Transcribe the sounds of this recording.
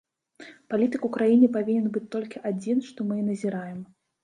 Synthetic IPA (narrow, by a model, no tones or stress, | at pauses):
palʲit̪ɨkukɾajinʲɨpavʲinʲɛnbɨt͡sʲt̪ɔlʲkʲiʔad͡zʲinʂt̪ɔmɨnɐzʲiɾajɛm